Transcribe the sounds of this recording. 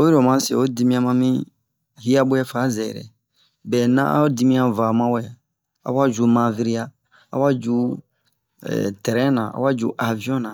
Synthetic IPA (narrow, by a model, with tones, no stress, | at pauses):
o˦i˦ɾo˨mã˦sḛ˨o˦di˦mĩ˦ã˦mã˧mĩ˦ | hi˦a˦bo˦jɛ˦fa˨˦zɛ̰˨ɾɛ̰˨ | bɛ˨nã̰˦ʔa̰˦di˦mĩ˦ã˦va˨mã˦wɛ˨ | a̰˨˦wa˦d͡ʒu˨mã˨vi˦ɾi˦ja˦ | a̰˦wa˦d͡ʒu˦ | ɛ̰˨tɛ˨ɾɛ̃˦nã̰˨a̰˨˦wa˦d͡ʒṵ˨˦ʔa˨vĩ˦ɔ̃˦nã˨